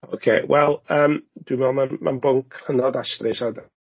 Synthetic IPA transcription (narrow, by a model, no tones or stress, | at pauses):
okʰḛːwɛlˠəːmd̥wimɔmanma̰nbɔŋkʰrənɔdaʃtrɪʃad